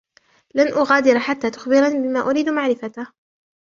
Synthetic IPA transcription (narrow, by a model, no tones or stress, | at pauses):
lanʔʊɣaːd̪ɪɾħat̪ːaːt̪ʊxbɪɾˤɑnbɪmaːʔʊɾiːd̪maʕɾɪfat̪a